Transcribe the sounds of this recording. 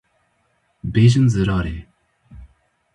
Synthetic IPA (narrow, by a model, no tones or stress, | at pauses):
beːʑənzəɾɑːɾeː